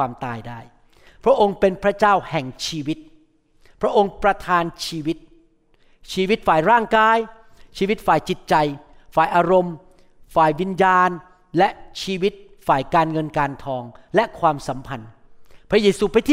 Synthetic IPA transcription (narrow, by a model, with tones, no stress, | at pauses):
aː˧mt̪aː˧jdaː˥˩j | pʰɾa˦˥ʔo˧ŋpe˧npʰɾa˦˥t͡ɕaː˥˩whɛ˨˩ŋt͡ɕʰiː˧wi˦˥t̪̚ | pʰɾa˦˥ʔo˧ŋpɾa˧t̪ʰaː˧nt͡ɕʰiː˧wi˦˥t̪̚ | t͡ɕʰiː˧wi˦˥t̪̚faː˨˩jɾaː˥˩ŋkaː˧j | t͡ɕʰiː˧wi˦˥t̪̚faː˨˩jt͡ɕi˨˩t̪̚t͡ɕa˧j | faː˨˩jʔaː˧ɾo˧m | faː˨˩jwi˧njaː˧n | lɛ˦˥ʔt͡ɕʰiː˧wi˦˥t̪̚faː˨˩jkaː˧nŋɤ˧nkaː˧nt̪ʰɔː˧ŋlɛ˦˥ʔkʰwaː˧msa˩˦mpʰa˧n | pʰɾa˦˥jeː˧suː˧pa˧jt̪ʰiː˥